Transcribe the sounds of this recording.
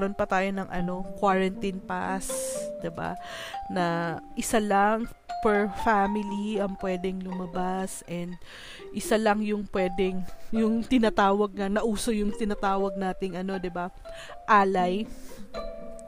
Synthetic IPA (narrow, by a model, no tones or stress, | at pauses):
ɾo̞npɐt̪aːjo̞nɐŋʔɐ̰no̞kwaɹɐnt̪inpa̰sd̪̥ɪba̰nɐʔɪsalɐŋ | pɛɹfamɪliɐŋpwɛːd̪ɛŋlʊmɐbasʔɛnd̪̚ | ʔɪsalɐŋjʊŋpwɛːd̪ɛŋjʊŋt̪ɪnat̪aːwɐɡ̚nɐnɐʔuːso̞jʊŋt̪ɪnɐt̪aːwɐɡ̚naːt̪ɪŋʔɐno̞d̪ɪba | ʔaːlɐj